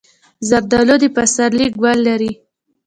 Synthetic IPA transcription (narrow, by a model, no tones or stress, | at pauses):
zaɾd̪ɑlod̪epasaɾlik̚ɡwalːaɾi